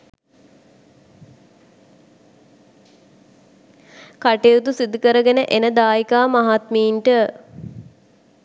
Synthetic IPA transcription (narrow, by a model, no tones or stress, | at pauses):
kaʈejut̪usid̪ːukəɾəɡenəʔenəd̪aːjikaːmaɦat̪miːɳʈə